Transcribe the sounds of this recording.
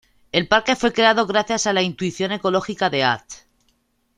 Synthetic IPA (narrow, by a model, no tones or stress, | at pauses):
e̞lpaɾke̞fwe̞kɾe̞að̞o̞ɣɾaθjasalaint̪uiθjo̞ne̞ko̞lo̞xikaðe̞a̰t̪